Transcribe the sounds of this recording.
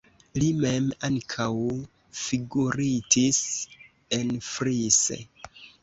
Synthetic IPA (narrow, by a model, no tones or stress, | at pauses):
limemaŋkʰaw | fiɡuɾitis | e̞nfɾisḛ